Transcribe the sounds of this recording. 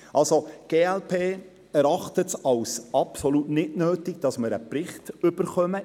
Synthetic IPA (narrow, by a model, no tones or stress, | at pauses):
ʔɑlsoɡ̥eːɛlpʰeː | ɛɾɑχtətɑwsɑpsolutnɪdnøːtɪɡd̥ɑsməɾə̰pɾɪχtʏb̥əɾχœmə